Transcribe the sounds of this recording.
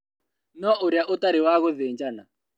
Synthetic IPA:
nɔʔʊɾjaʔʊtaɾɪwaɣʊðɪːnd͡ʒana

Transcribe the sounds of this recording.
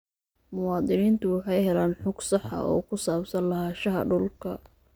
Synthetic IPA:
mʊwɑːd̪ɨniːnt̪ʰʊwɑħɑjhɛlaːnħʊɡ̥sɑħɐ̰ʔɔ̰ːkʰʊsaːbsɐnlɐɦaːʃɐɦɐ̰ɖʊlkʰɐ̰

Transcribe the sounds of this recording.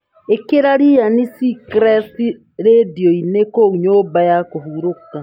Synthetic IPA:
ekeɾaɾijanisikɾɛsi | ɾediɔinekouɲoːbajakoɦuɾoka

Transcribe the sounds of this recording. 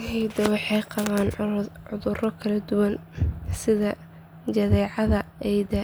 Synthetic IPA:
hɛjd̪ɐwɑħɑjqɑβaːnʕʊðʊrɔkʰɐlɐd̪ʊwɐnsɪðɐ | t͡ʃɐðɛːʕɑðɐʔɛjd̪ɐ

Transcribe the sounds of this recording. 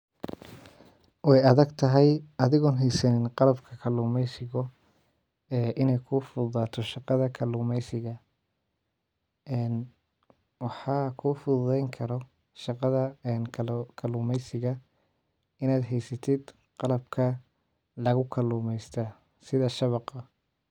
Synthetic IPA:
wɑjɐðɐɡt̪ʰɐɦɛjɐðɪɣɔːnɦɛjsɐnɪnqɑlɐbkʰɐkʰɐluːmɛjsɪɣɔ | ɛːʔɪnɛjkʰʊfʊðaːt̪ʰɔʃɑqɑðɐkʰɐluːmɛjsɪɣɐ | ɛːn | wɑħɑːkʰʊfʊððɛjŋkʰɐɾɔ | ʃɑqɑðɐnkʰkʰɐluːmɛjsɪɣɐ | ɪnaːd̪ɦɛjsɐt̪ʰɪd̪ | qɑlɐb̚kʰɐ | lɐɣʊkʰɐluːmɛjst̪ʰɐ | sɪðɐʃɐβɑqɐ

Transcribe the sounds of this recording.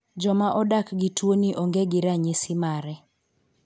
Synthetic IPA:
d͡ʒɔmaʔɔdakɡɪtwoniʔoŋɡeɡɪɾaɲesɪmaɾɛ

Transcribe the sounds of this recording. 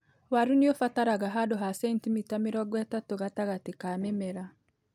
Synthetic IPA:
waɾuniofataɾaɣaɦadoɦasɛntimitamiɾɔɡwɛtatoɣataɣatekamemɛɾa

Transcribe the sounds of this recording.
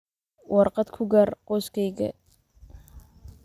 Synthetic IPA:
wɑrqɑd̪kʰʊɡɐrqɔskʰɛjɡɐ̰

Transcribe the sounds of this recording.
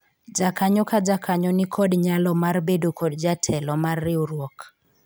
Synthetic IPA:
d͡ʒakaɲɔkad͡ʒakʰaɲɔnɪkʰɔdɲalɔmarbedokʰɔdd͡ʒatʰɛlɔmarːɪuɾwɔk

